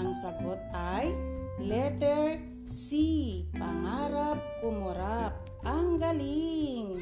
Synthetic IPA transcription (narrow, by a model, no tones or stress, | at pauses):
aŋsaɡɔt̪̚ajlɛt̪ɛr | sipaŋaɾap̚kumɔɾap̚ | aŋɡaliŋ